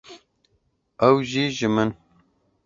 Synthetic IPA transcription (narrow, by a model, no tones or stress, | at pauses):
ɐwʒiːʒɨmɨn